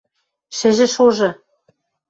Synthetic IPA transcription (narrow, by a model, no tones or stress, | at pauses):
ʃɘ̆ʒɘ̆ʃoʒɤ̆